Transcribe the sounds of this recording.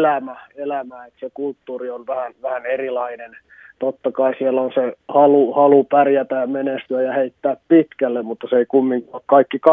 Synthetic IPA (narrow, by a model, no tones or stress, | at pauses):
læmæelæmæet̪sekult̪ːuːrionʋæhænʋæhænerilɑinen | t̪ot̪ːɑkɑisielːonsehɑluhɑlupærjæt̪æjɑmenest̪yæjjɑheit̪ːæːppit̪kælːemmut̪ːɑseikumːiŋkolkkɑikːikɑ